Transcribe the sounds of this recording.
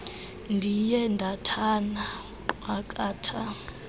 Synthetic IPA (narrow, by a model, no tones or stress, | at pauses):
ndʱijɛndʱatʰana | wakʼaːtʰa